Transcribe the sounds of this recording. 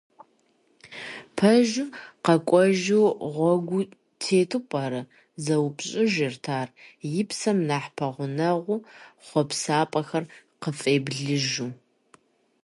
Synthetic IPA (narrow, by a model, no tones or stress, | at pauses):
pʰɐʒʊqɐkʷʼɔʒuʁʷɔɡʷʊ | tʰeːtʰɨpʷʼɐɾɨ | zɐwpɕʼɪʒɪrtʰaːrjɪpsɐmnaːħpʰɐʁʷʊnɐʁʷʊχʷɔpsaːpʼɐxɐrqəfʼeːbɮɨʒuː